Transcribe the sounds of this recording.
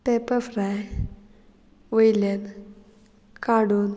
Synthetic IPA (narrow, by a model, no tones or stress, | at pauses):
pepəfɾaj | ʋəjlən | kaɽun